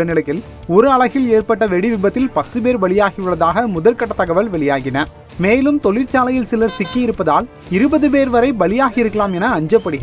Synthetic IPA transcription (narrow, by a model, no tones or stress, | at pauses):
ɐnɪɭɐkːɪl | ɔɾɯɐɭɐɣɪleːɾpɐʈːɐʋɛɽɪʋɪbɐt̪ːɪlpɐt̪ːɯpeːɾʋɐɭɪjaːɣɪʋɯɭɐðaːɣɐmʊðɐlkɐʈːɐt̪ːɐɣɐʋɐlʋɛɭɪjaːɣɪnɐ | meːlɯmt̪ɔɭɪɾt͡ʃaːlɐjɪlsɪlɐɾsɪkːɐjɪɾɯpːɐðaːl | ɪɾɯbɐðɯpeːɾʋɐɾɐɪʋɐɭɪjaːɣɪɪɾɯkːɐlaːmɛnɐːɲd͡ʒɐpːɐɽɪɣɐ